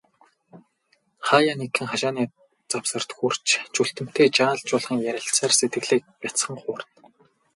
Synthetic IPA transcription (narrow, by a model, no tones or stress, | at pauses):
χaːjaːnekʰɘ̆ŋχaʃaːniː | t͡sawsə̆r̥t̪xur̥t͡ɕt͡ɕʰuɬt̪ɘ̆m̥t̪ʰeːt͡ɕaːɮt͡ɕʊːɮχə̆ŋjæɾʲɪ̆ɬt͡saːrset̪ɡɘ̆ɣɮeːk̚pʲjat͡sχə̆ŋχʊːrn